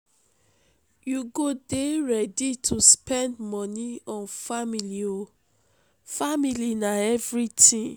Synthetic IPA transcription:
juɡodeɹɛditʰuspɛ̃ndmɔniɔ̃nfamilio | familinaɛvɹitĩ

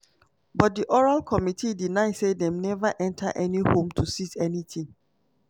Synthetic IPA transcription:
bɔt̚diʔɔɹalkʰɔmitʰidinaɪsedɛ̃mnɛvaʔɛ̃ntʰa̰ʔɛnihõmtʰusitɛnitʰĩŋ

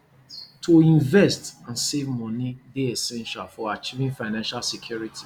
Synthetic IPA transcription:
tʰoĩnvɛstãnsevmɔ̃nideesɛ̃nʃalfɔat͡ʃivĩnfaɪnãnʃalsekʰjuɹitʰi̥

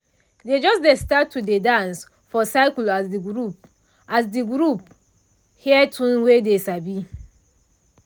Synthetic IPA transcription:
ded͡ʒɔsdestatːudedãns | fɔsaɪklasdiɡɹup̚ | asdiɡɾup̚ | hiɛtʰũnwedesabi

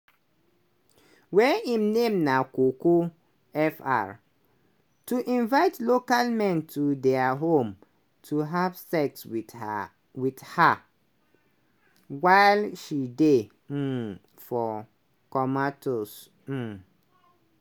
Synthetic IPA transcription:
wɛĩmnẽmnãkoko | ɛfa̰ɹ | tʰuʔĩnvaɪtlokalmɛ̃ntʰudɛaɦõm | tʰuɦav̥sɛks | witha | waɪlʃide | fɔ | kɔmatʰos̩

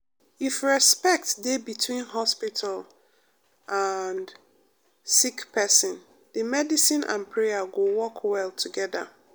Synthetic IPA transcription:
ifɹɛspɛk̚tdebitʰwĩnɦɔspitʰal | ʔand | sikpʰɛsə̃n | dəmɛdisĩnʔã̰npʰɹɛaɡowɔkʰwɛltʰuɡɛða̰

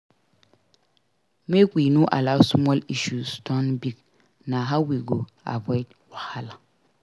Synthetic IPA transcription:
mekʷiːnuʔa̰lawsmɔliʃustɔnbik̚ | naɦawiɡo | a̰bɔjt | wahala

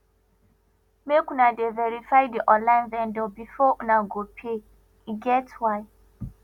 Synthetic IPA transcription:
mekunadevɛɾifajdiʔɔ̃nlãj̃nvɛ̃ndɔbifɔʔunaɡopʰe | iɡɛtwaj

